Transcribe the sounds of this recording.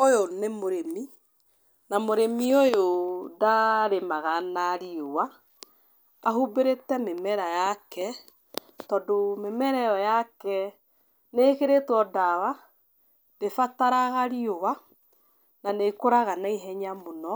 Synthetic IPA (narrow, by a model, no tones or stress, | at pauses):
ojonemoɾemi | namoɾemiojodaɾemaɣanaɾiowa | ɦubeɾetɛmemɛɾajakɛ | tɔdomemɛɾɛjɔjakɛ | neːkeɾetwɔdawa | d̥efataɾaɣaɾiowa | nanekoɾaɣanaiɦɛɲamonɔ